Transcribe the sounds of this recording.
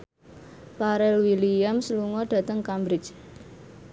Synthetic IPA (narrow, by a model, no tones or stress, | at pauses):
paɾɛlwiliamsluŋɔɖ̥ä̤t̪əŋkambɾɪt͡ʃ